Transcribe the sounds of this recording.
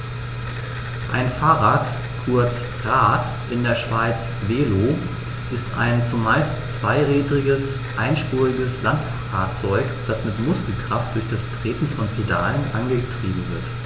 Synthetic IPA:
ʔaɪnfaːʁaːt | kʰʊɐt͡s | ʁaːt | ʔɪndeːɐʃv̥aɪt͡s | veːlo | ʔɪstʔa̰ɪnt͡sumaɪst͡sv̥aɪʁiːdʁɪɡəs | ʔaɪnʃpuːʁɪɡəslantffaːɐt͡sɔʏkd̥asmɪtmʊskl̩kʁ̥aft̚d̥ʊɐçd̥astʁ̥eːtn̩fɔnpʰeda̰ːlənʔa̰nɡətʁ̥iːbm̩vɪɐt

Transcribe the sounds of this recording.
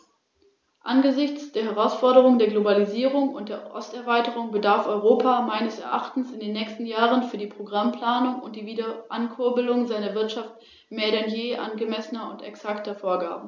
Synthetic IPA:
ʔanɡəzɪçt͡sd̥eːɐɦɛʁ̞aʊsfɔɐɾəʁ̞ʊŋdeːɐɡlobaliziːʁ̞ʊŋʊnt̚d̥eːɐʔɔ̰stɛɐvaɪtəʁʊŋbədaɐfɔʏʁoːpʰamaɪnəsɛ̰ɐʔaχtn̩sɪndeːnːɛːçstn̩jaːʁənfyːɐdiːpʁ̥oɡʁampl̥aːnʊŋʊ̰nt̚d̥iːviːdɐʔankʰʊɐbəlʊŋzaɪnɐvɪɐtʃaft | meːɐɾɛnjeːʔa̰nɡəmɛsənɐʊntɛ̰ksaktɐfoːɐɡa̰ːbm̩

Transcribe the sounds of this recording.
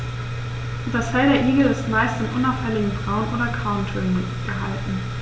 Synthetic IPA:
d̥asfɛldɐʔiːɡl̩ɪstmaɪstɪnʔʊnaʊfhɛlɪɡŋ̩fʁ̥aʊnʔoːɾɐkʰaʊntʰɪn | ɡ̥əɦa̰ltn̩

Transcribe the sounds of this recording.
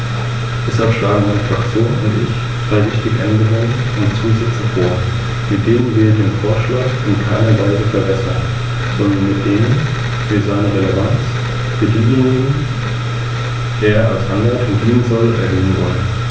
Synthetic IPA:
d̥ɛshalpʃlaːɡŋ̩maɪnəfʁ̥akt͡sjoːnʊntʔɪ̰ç̥ | ʁ̥aɪvɪçtɪɡəʔɛndəʁʊŋən | ʊntt͡suːzɪt͡sɪçfoːɐ | mɪt̚d̥eːmənvɪːɐdeːnfoːɐʃlaːkʔɪnkʰaɪnɐvaɪzəfɛɐbɛsɐn | z̥ɔndɐnmɪt̚d̥eːmən | fyːɐzaɪnəʁelevant͡s | b̥əɡeːɡnʊŋən | deːɐʔalsʔandəʁəfʊndiːənzɔlʔɛ̰ɐɦøːənvɔlən

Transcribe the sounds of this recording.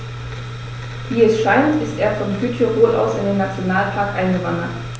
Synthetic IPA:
v̥iːɛsʃaɪntɪstʔeːɐfɔnɡytʰəʁoːlʔa̰ʊsɪndeːnːat͡sjonaːlpʰaɐkʔaɪnɡəvandɐt

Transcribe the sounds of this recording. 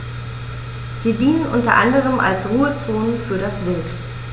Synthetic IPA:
z̥iːdiːnənʔʊntɐ̰ʔa̰ndəʁ̞əmʔa̰lsʁuːət͡soːnfyːɐɾasv̥ɪlt

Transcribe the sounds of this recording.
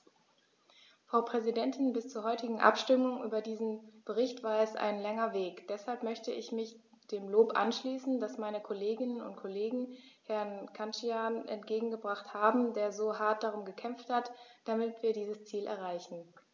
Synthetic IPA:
fʁ̥aʊpʁ̥ɛzidɛntʰɪnbɪst͡suːɐɦɔʏtɪɡŋ̩ʔa̰pʃtʏmʊŋʔyːbɐdiːzn̩b̥əʁ̞ɪçtv̥aːɐɛsʔa̰ɪnlɛŋɐveːkd̥ɛshalpmœçtəʔɪçmɪç | d̥eːmloːpʔa̰nʃliːsn̩dasmaɪnəkʰoleːɡɪnənʊ̰ntkʰoleːɡŋ̩hɛɐnkʰant͡ʃianʔɛ̰ntɡ̥eːɡŋ̩ɡəbʁaχthaːbm̩deːɐzoːɦaɐt̚d̥aʁ̞ʊmɡəkʰɛmfthatd̥amɪtv̥iːɐdiːzəst͡siːlʔɛ̰ɐʁ̞aɪçn̩

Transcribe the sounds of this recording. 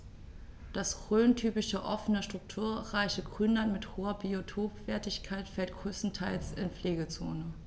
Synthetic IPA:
d̥asʁøːntʰyːpɪʃəʔɔfənəʃtʁ̥ʊk̚tʰuːɐʁaɪçəɡʁʏnlanmɪthoːɐbiotʰoːpv̥ɛːɐtɪçkʰaɪtfɛlt̚ɡ̥ʁøːstn̩tʰaɪlsɪnfleːɡət͡so̰ːnə

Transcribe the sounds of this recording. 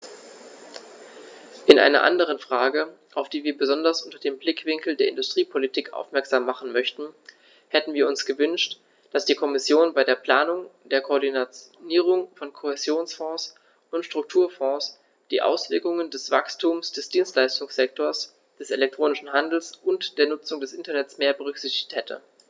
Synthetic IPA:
ʔɪnʔa̰ɪnɐ̰ʔa̰ndəʁ̞ənfʁ̥aːɡə | ʔaʊfd̥iːviːɐbəzɔndɐsʔʊntɐdeːmblɪkv̥ɪŋkl̩deːɐʔɪ̰ndʊstʁ̥iːpʰolitʰiːkʔa̰ʊfmɛɐkz̥aːmːaχn̩mœçtn̩ | hɛtn̩viːɐʊnsɡ̥əvʏnʃt | d̥asd̥iːkʰɔmɪsjoːnbaɪdeːɐpl̥aːnʊŋd̥eːɐkʰoːɐdinat͡sniːʁ̞ʊŋfɔnkʰohezjoːnsfɔ̃ːs | ʊntʃtʁ̥ʊk̚tʰuːɐfɔ̃ːs | d̥ḭːʔa̰ʊsv̥ɪɐkʊŋəndɛsv̥akstʰuːmsd̥ɛsd̥iːnstlaɪstʊŋsz̥ɛk̚tʰoːɐs | d̥ɛselɛk̚tʁ̥oːnɪʃn̩ɦandl̩sʔʊntd̥eːɐnʊt͡sʊŋdɛsʔɪntɐnɛtt͡smeːɐbəʁ̞ʏkz̥ɪçtɪ̥çthɛtʰə̰

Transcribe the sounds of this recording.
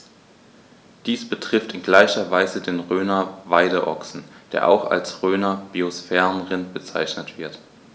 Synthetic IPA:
d̥iːsb̥ətʁ̥ɪftɪnɡlaɪçɐvaɪzədeːnʁøːnɐvaɪdəʔɔ̰ksn̩d̥ḛːɐʔa̰ʊxa̰lsʁøːnɐb̥iosfɛːʁənʁɪnb̥ət͡sa̰ɪçnətv̥ɪɐt

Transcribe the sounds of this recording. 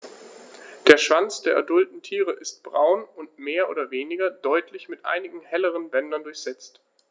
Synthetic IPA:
d̥eːɐʃv̥ant͡sd̥eːɐʔa̰ɐdʊltn̩tʰiːʁəʔɪst̚b̥ʁaʊnʊntmeːɐʔo̰ːdɐveːnɪɡɐdɔʏtʰlɪçmɪtʔa̰ɪnɪɡŋ̩hɛləʁ̞ənbɛndɐndʊɐçz̥ɛt͡st

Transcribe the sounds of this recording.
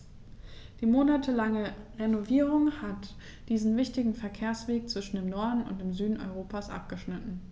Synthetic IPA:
d̥iːmoːnatʰəlaŋəʁenoviːʁ̞ʊŋhat | d̥iːzn̩vɪçtɪɡŋ̩fɛɐkʰeːɐsv̥eːk̚t͡sv̥ɪʃn̩deːmnɔɐdn̩ʊ̰ntd̥eːmzyːdn̩ʔɔ̰ʏʁoːpasʔa̰p̚ɡ̥əʃnɪtn̩

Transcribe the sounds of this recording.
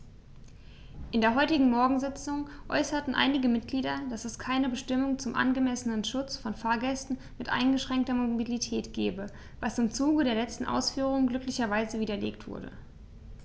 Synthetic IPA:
ʔɪndeːɐɦɔʏtɪɡŋ̩mɔɐɡŋ̩zɪt͡sʊŋʔɔ̰ʏsɐtn̩ʔa̰ɪnɪɡəmɪt̚ɡ̥liːdɐd̥asɛskʰaɪnəbəʃtɪmʊŋt͡sʊmʔa̰nɡəmɛsənənʃʊt͡sfɔnfaːɐɡɛstn̩ | mɪtʔa̰ɪnɡəʃʁ̥ɛŋktɐmobilitʰɛːtɡ̥ɛːbə | vasɪmt͡suːɡədeːɐlɛt͡stn̩ʔa̰ʊsfyːʁ̞ʊŋɡlʏklɪçɐvaɪzəviːdɐlḛːktv̥ʊ̰ɐdə̰

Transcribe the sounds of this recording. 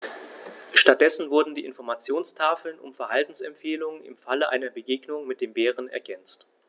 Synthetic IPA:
ʃtat̚d̥ɛsn̩vʊɐdn̩diːʔɪnfɔɐmat͡sjoːnstʰaːfl̩nʔʊ̰mfɛɐhaltn̩sɛmpfeːlʊŋənɪ̰mfaləʔa̰ɪnɐbəɡeːɡnʊŋmɪt̚d̥eːmbeːʁənɛ̰ɐɡɛnt͡st

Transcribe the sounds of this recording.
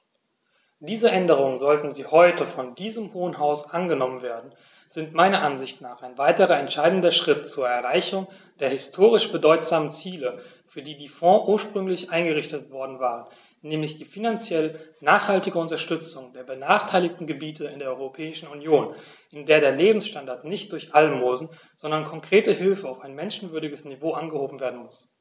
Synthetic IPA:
d̥iːzəʔɛndəʁ̞ʊŋənzɔltn̩ziːhɔʏtəfɔndiːzəmhoːənɦaʊsʔanɡənɔmənveːɐdn̩ | z̥ɪntmaɪnɐʔanzɪçtnaːχaɪnvaɪtəʁɐɛntʃaɪdn̩dɐʃʁ̥ɪtt͡suːɐɛɐʁaɪçʊŋ | d̥eːɐhɪstʰoːʁ̞ɪʃb̥ədɔʏtz̥aːmənt͡siːlə | fyːɐdiːdiːfɔ̃ːʔuːɐʃpʁ̥ʏŋlɪçʔaɪnɡəʁɪçtətv̥ɔɐdn̩vaːʁən | nɛːmlɪçd̥iːfinant͡sjɛlənaːχhaltɪɡəʊntɐʃtʏt͡sʊŋdeːɐbənaːχtʰaɪlɪk̚tn̩ɡəbiːtəɪndeːɐʔɔʏʁopʰɛːɪʃn̩unjoːn | ʔɪndeːɐɾeːɐleːbm̩sʃtandaɐtnɪçt̚d̥ʊɐçʔalmoːzn̩ | z̥ɔndɐnkʰɔŋkʁ̥eːtəhɪlfəaʊfaɪnmɛnʃn̩vʏɐɾɪɡəsnivoːʔanɡəhoːbm̩veːɐdn̩mʊs

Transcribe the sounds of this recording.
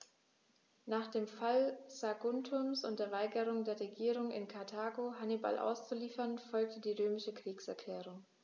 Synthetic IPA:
naːχd̥eːmfalzaɡʊntʰʊmsʊnt̚d̥eːɐvaɪɡəʁ̞ʊŋdeːɐʁeɡiːʁ̞ʊŋɪ̰nkʰaɐtʰaːɡoɦaniba̰lʔa̰ʊst͡suliːfɐnfɔlk̚tʰədiːʁøːmɪʃəkʁ̥iːksɛɐkʰl̥ɛːʁ̞ʊŋ

